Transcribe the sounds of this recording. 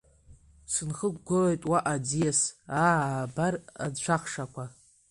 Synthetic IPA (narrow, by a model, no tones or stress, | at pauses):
sɨnχəɡʷɡolojtʼwaʔad͡zijasaːbara̰d͡zt͡ʃʷʰaχʂakʷa